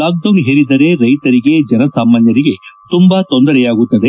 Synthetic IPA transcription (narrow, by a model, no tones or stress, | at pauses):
aːk̚d̪onɦeɾid̪ɐɾe̞ɾɐjt̪ɐɾiɡe̞d͡ʒɐnɐsaːmːaːnjɐɾiɡe̞t̪umbɐt̪o̞nd̪ɐɾɛjaːɡut̪ːɐd̪e